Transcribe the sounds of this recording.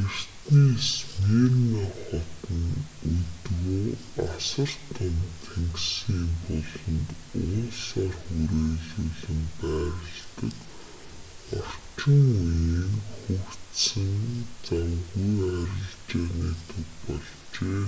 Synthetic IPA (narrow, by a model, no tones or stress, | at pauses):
ɡer̥t̪niːsmeːrnaχɔt̪ə̆n | ut̪ɣoː | asə̆r̥t̪ʰɔnt̪ʰeŋksiːmpɔɮɞ̆nt̪ʊːsaːrxuɾeːɮuːɮɘ̆mpæːɾə̆ɮt̪ə̰̆k | ɔr̥t͡ɕɪ̆ŋujiːŋxukt̪sɘ̆nt͡samɣujæɾʲə̆ɮt͡ɕeːniːt̪ʰʊtpɔɮ | t͡ɕeː